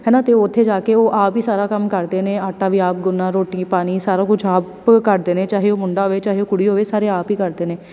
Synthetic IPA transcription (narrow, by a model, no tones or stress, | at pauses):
ɦɛːnãːt̪eːoʊt̪ʰːeːd͡ʒaːkeːoːʔaːpiːsaːɾaːkəmkəɾd̪eːnẽːaːʈːaːʋiːaːp̚ɡʊnːãːɾoːʈĩːpaːniːsaːɾaːkʊt͡ʃʰaːp | kəɾd̪eːnẽːt͡ʃaːɦeːoːmʊɳɖaːɦoːʋeːt͡ʃaːɦeoːkʊɽiːɦoːʋeːsaːɾeːaːpiːkəɾd̪eːnẽː